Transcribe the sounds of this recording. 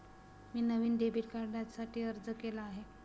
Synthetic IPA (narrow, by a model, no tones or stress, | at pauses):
miːnəʋiːnɖebiːʈkaɾɖjasaʈʰiːəɾd͡zəkelaːɦe